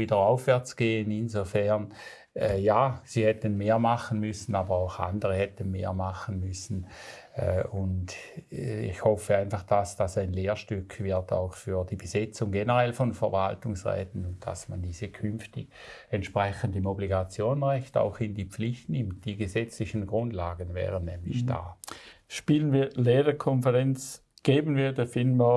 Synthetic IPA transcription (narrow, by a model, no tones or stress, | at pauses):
viːdɐʁaʊfvɛɐt͡sɡ̥eːənɪnzofɛɐn | ɛjaːz̥iːhɛtənmeːɐmaχənmʏsn̩aːbɐʁaʊxʔa̰ndəʁəhɛtən̩mḛːɐmaχən̩mʏsn̩ː | ʊnt | ɪ̰çhɔfəaɪnfaχd̥asd̥asaɪnleːɐʃtʏkʰvɪɐtʰa̰ʊxfyːɐdiːb̥əzɛt͡sʊŋɡenəʁɛlfɔnfɛɐvaltʊŋsʁɛ̰ːtən̩ʊnt̚d̥a̰smandiːzəkʰʏnftɪɡ̥ | ɛntʃpʁɛçəndɪmɔbliɡat͡sjoːnnʁɛçta̰ʊxɪndiːp͡flɪçtnɪmt̚d̥iːɡəzɛt͡slɪçənɡʁʊndlaːɡənvɛ̰ːʁənːɛːmlɪ̰çd̥a̰ː | ʃpiːlənviːɐleːdəkʰɔnfəʁɛnt͡s | ɡ̥eːbən̩viːɐdeːfɪlmə